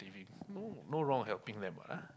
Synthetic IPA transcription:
ivĩŋnonoɹɔ̃ŋhɛlpĩŋd̪ɛ̃mba̰ʔa

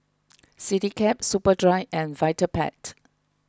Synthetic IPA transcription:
sitikʰɛp̚supədɹaɪɛ̃nvaɪtəpʰɛ̰t

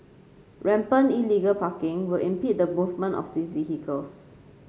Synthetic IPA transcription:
ɹɛ̃mpə̃niliɡəlpakɪ̃ŋwɪlĩmpit̚dəmuvmə̃ntɔ̰fdisviɦikəls

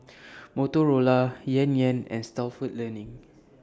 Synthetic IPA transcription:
motoɹolajɛ̃njɛ̃nɛ̰̃nstalfut̚lənĩŋ

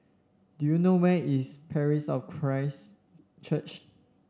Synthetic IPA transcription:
dujunowɛispʰɛɹisɔfkʰɹaɪs | t͡ʃʰət͡ʃ

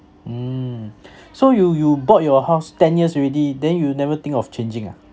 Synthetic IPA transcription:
m̩ | sojujubɔt̚jɔhaʊstɛ̃njəsɹɛdidɛ̃njunɛvət̪ɪ̃ŋkɔft͡ʃẽnd͡ʒɪ̃ŋa

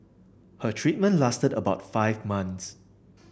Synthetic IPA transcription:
hətʰɹit̚mə̃nlastədəbaʊtfaɪvmãns

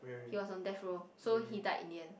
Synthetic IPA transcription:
hiwɔsɔ̃ndɛtɹosohidaɪʔḭ̃ndiə̃n

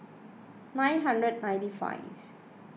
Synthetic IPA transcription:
nãj̃nɦãndɹəd̚nãj̃ntifa̰ɪv

